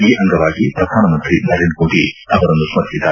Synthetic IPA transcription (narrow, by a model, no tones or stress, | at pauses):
iːʔɐŋɡɐʋaːɡipɾɐd̪ʱaːnɐmɐnt̪ɾinɐɾeːnɖkoːʈiɐʋɐɾɐnd̪usmɐd̪ʱjid̪aː